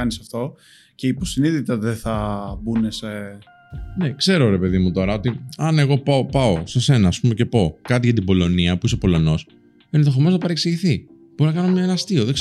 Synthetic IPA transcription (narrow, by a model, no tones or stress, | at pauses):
ɐnisɐft̪o̞ | ce̞ipo̞siniðit̪ɐðeθɐbunese | ne̞kse̞ɾo̞ɾe̞pe̞ðimut̪o̞ɾɐo̞t̪iɐne̞ɣo̞pɐopɐo̞se̞se̞nɐːspume̞ce̞po̞kɐt̪̬iʝɐt̪̬ibo̞lo̞niɐpuiso̞po̞lo̞no̞s | e̞nðo̞xomoznɐpɐɾeksiʝiθi | boɾonɐkɐno̞mɲɐenɐst̪io̞ðeɡs